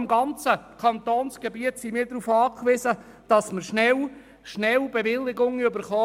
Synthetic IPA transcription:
mɡɑnt͡səkʰɑnt̪oːnsɡ̥ebiətsimiːɾdɾuːfɑːkʋizə | d̥ɑsməʃnɛl | ʃnɛlbevɪlːɪɡʊŋʏbəɾχɔː

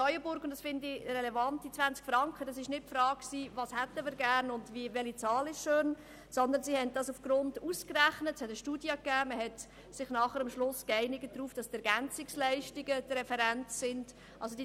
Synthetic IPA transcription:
ɔʏəbʊɾɡʊntd̥ɑsfɪndirɛlɛvɑntdit͡sʋænst͡skfɾɑŋkχədɑsɪʃnɪt̚pfɾɑːkksiːvɑːshɛtəmiːɾɡæːɾnʊndvivɛlit͡sɑːlɪʃʃøːn | sɔnd̪ənsihɛnt̚d̥ɑsufɡ̥ɾʊnduskræχnətshɛtəʃtuːdjɑkæːməhɛt | sɪχnɑχəɾɑmʃlʊskɛɪnɪɡət̚d̥ɾuːfd̥ɑsd̥ɛɾɡænt͡sɪkslæɪʃtɪɡədɾɛfɛɾæntsɪnd̥ | ʔɑlsod̥i

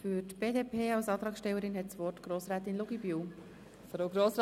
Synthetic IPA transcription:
fyɾtb̥eːdeːpʰeːɑlsɑːt̪ɾɑːksʃtɛwːəɾɪnɦɛtt͡sʋɔrtɡ̥ɾoːsɾæːt̪ɪnluɡibyw | fɾoɡɾoːsɾ

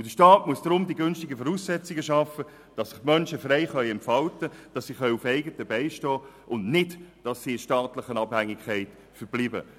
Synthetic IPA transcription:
ʊd̥əʃtɑːtmuəsd̥ɾʊmdiɡʏnʃtɪɡəfɔɾuːssɛt͡sɪɡəʃɑfə | d̥ɑsːɪχmœnʃəfrɛɪχœʏɛmpfɑltəd̥ɑsːiχœʏufɛɪɡətəbɛɪʃtɔːʔʊndnɪdd̥ɑsiɪʃtɑːtlɪχənɑbhæŋːɪkχæɪt | fəɾb̥liːbə̰

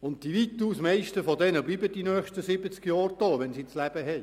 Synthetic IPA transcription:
ʊnt̚tiʋiːtuːsmɛɪʃtəfɔdɛnəbliːbəd̥inœːχʃtəsɪbət͡skjɑːɾd̥oːʋɛnsit͡slæb̥əɦɛɪ

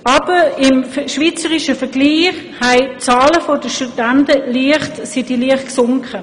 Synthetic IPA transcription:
ɑb̥əɪmʃʋiːt͡səʁiʃəfəɡliːχ | hɛɪt͡sɑːləfodəʃtudantəliəχtsidiliəχtksʊŋkʰə

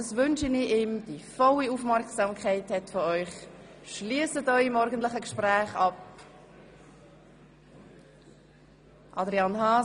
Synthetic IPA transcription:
ɑsvʏnʃənɪiːmd̥ifɔliuːfmɛɾksɑmkʰaɪthɛtfɔœʏχ | ʃliəsətœʏɪmɔɾɡəntlɪχəkʃpræːχɑp | ʔɑdɾiɑnhɑː

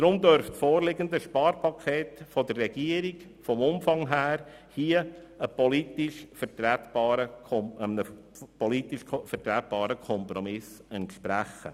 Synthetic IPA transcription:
d̥ɾʊmd̪œɾfsfoːɾlɪɡənd̪əʃpɑːɾpʰɑkʰeːtfɔdərːɛɡ̥iəɾiɡ | fɔmʊmfɑŋɦæːɾ | hiə | əpɔlitɪʃfəɾtɾɛt̪bɑːɾəɔənə | pɔlitɪʃʰfəɾtɾæt̪̚b̥ɑːɾəkʰɔmpɾɔmɪsɛntʃpɾæχə̰

